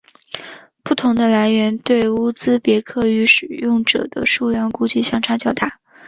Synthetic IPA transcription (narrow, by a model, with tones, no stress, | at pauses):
pu˥˩t̪ʰʊ˧˥ŋd̪ə˧la˧˥ɪɥɛ˧˥nt̪we˥˩ɪu˥t͡sɹ̩˥pjɛ˧˥kʰɤ˥˩y˧˥ʂɻ̩˨˩jʊ˥˩ŋʈ͡ʂɤ̰˨˩d̪ə̰˦ʂu˥˧ljɑ˥˧ŋku˥t͡ɕi˥˧ɕjɑ˥ŋʈ͡ʂʰɑ˧˥ŋt͡ɕjɑ˥˩ʊt̪a˥˩˦